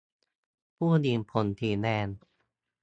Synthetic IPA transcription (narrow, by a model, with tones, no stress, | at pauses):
pʰuː˥˩diː˧npʰo˩˦nt̪ʰiː˧˩nɛː˧n